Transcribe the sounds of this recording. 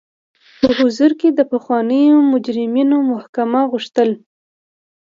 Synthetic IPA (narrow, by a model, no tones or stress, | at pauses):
pəɣʊzuɾked̪əpaxwɑnəjomʊd͡ʒɾɪminomʊhkamaɣuʂt̪əl